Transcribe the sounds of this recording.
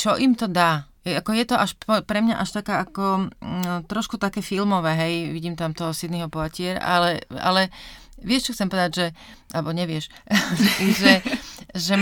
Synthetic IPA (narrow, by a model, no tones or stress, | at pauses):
t͡ʃɔʔimt̪ɔd̪aːjɛakɔjɛt̪ɔʔaʃpɔpɾɛmɲaʔaʃt̪akaːʔakɔ | t̪ɾɔʃkut̪akɛːfilmɔʋɛːɦɛjʋiɟiːmt̪amt̪ɔɦɔsid̪niɦɔpɔacɪɛɾa̰ʔa̰lɛa̰lɛ | ʋɪɛʃt͡ʃɔxtt͡sɛmpɔʋɛd̪aɟʒɛ | ʔalɛbɔɲɛʋɪɛʃ | iʒɛʒɛ